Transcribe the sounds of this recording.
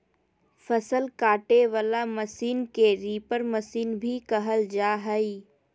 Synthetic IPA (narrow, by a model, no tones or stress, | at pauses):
fʰəsəlkaːʈeʋalaməsiːnkeɾiːpəɾməsiːnbʱikəɦəld͡ʒaːɦəi